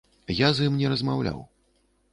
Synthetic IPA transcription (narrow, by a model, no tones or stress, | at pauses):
jazɨmnʲɛɾɐzmawlʲa̰w